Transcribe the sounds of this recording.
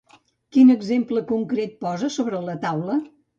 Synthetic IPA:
kinəɡzempləkuŋkɾet̪̚pɔzəsoβɾələt̪awlə

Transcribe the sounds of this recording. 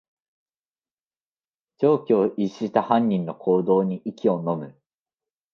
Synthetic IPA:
d͡ʑo̞ːkʲo̞ːʔiɕit̪ahãɲ̟ːĩnːo̞kʰo̞ːd̪o̞ːɲ̟iʔikʲio̞no̞mɯ̟

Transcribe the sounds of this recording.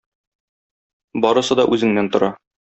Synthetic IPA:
bɒɾɤ̆sɤd̪ɒʔʉzɘ̆ŋnænt̪ŏɾɑ

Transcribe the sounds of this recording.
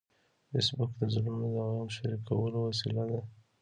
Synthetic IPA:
fɪsbʊkd̪əzʊlumed̪aɣjɑnʃaɾikawəlowasilad̪a

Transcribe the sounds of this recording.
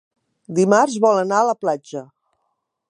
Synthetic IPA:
d̪imarzβɔlənaələplad͡ʒə

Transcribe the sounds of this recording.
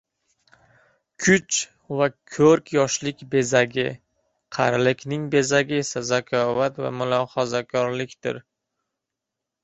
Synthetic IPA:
kʲʰʊt͡ʃ | vakʲʰɵɾkʲjɒʃlɪkʲbe̞zaɡʲɪ | qʰɑ̰ɾlɪkʲnɪŋbe̞zaɡʲɪe̞sazakʲʰɒvat̪va̰mʊlˠɒhɒzakʲʰɒɾlɪkʲt̪ɪ̰ɾ

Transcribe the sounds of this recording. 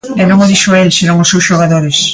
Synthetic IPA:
ɛnõŋoðiʃoelsenõŋʊsewsʃoɣaðoɾes

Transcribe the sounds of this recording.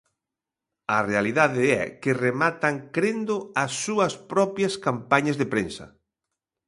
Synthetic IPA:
ɐrealiðaðɪɛ̰kɪremat̪ɐŋkɾend̪ʊɐsːuɐspɾɔpjɐskampaɲɐzðepɾensɐ̰

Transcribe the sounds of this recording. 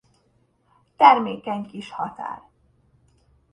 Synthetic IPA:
t̪ɛrmeːkɛɲkiʃhɒt̪a̰ːr

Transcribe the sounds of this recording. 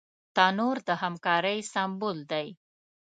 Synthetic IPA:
t̪ɑnoɾd̪əhamkɑɾəjsambold̪aj

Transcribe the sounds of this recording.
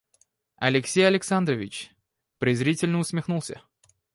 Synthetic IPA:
ɐlʲɪksʲejɐlʲɪksand̪rəvʲɪt͡ɕ | pɾʲɪzɾʲitʲɪlʲnəʊsmʲɪxnulˠsʲə̰

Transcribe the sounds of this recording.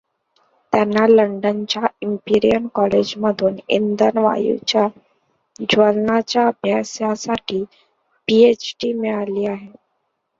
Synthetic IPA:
t̪janːaləɳɖənt͡ɕjaimpiɾijənkɔled͡ʑməd̪ʱuːnḭnd̪ənʋa̰jṵt͡ɕja | d͡ʑʋəlnat͡ɕjaəbʱjasjasaʈʰiː | piet͡ɕʈimiɭaliːaɦe

